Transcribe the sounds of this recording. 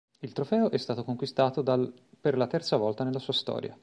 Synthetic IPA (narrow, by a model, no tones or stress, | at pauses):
ilt̪ɾofɛːoʔɛst̪aːt̪okoŋkwist̪aːt̪od̪a | perlat̪ɛrt̪savɔlt̪anelːasuːast̪ɔ̰ːɾja̰